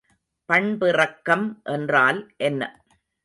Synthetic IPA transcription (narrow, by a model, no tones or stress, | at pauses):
pɐɳbɪrɐkːɐmʔɛndraːlʔɛnːɐ̰